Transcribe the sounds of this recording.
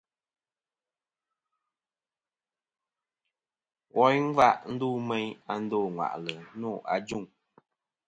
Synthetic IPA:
wɔ˨˦jn̩˦va˦˨ʔn̩˦duː˦˨mɛ˦ɲa˨n̩˦doː˦˨ŋwa̰˨ʔlə˨˦nɔ˦˨ʔa̰˨d͡ʒu˦˨ŋ

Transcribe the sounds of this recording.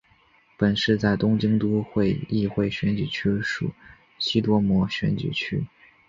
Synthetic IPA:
pə˨˩nʂɻ̩˥˧t͡sa˥˩ɪt̪ʊ˥ŋt͡ɕi˥ŋt̪u˥xwe˥˧ɪi˥˧xwe˥˩ɪɕɥɛ˧˥nt͡ɕy˨˩t͡ɕʰy˥ʂṵ˨˩˦ | ɕi˥t̪wɔ˥mwɔ˧˥ɕɥɛ̰˧˥nt͡ɕy̰˨˩t͡ɕʰy˥

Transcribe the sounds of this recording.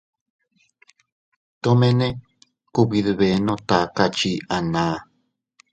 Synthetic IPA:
t̪o˦mẽ˦nẽ˦ | kuβi˧ðɨβe˨nõ˧t̪a˨ka˧t͡ʃi˧a˨nãː˨˦

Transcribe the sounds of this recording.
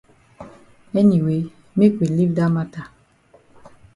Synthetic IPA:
ɛ˦ni˨we˨˦ | me˦kwi˨li˦vda˦ma˦ta˨

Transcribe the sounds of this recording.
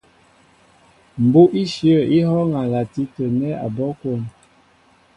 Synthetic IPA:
m̩˨bu˦ʔi˦ʃi˦ə˦˨i˦ɦɔ˦ŋa˨la˨ti˦tə˨nɛ˦a̰˨bɔ˦ko˨n

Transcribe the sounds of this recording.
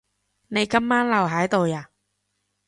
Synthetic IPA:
ne˨˧jkɐ˥mːaː˥nlɐ˨˩wɦaː˨˥jt̪o˨wjaː˨˩

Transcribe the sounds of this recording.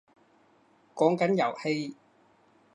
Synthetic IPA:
kɔː˨˥ŋkɐ˨˥njɐ̰˨˩whe˧j

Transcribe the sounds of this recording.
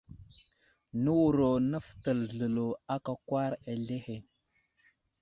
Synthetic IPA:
nə˦wu˨ɾo˨nə˦ftə˨lɮə˨lo˨a˦ka˨kwa˦ɾa˨ɮe˦he˨

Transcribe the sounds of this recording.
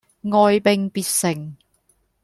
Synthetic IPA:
ŋɔː˨jpɪ˨ŋpiː˨˧t̚sɪ˨˩ŋ

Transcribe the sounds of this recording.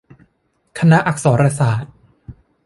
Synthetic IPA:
kʰa˧na˦˥ʔa˨˩k̚sɔː˩˦nɾa˧saː˨˩t̪̚

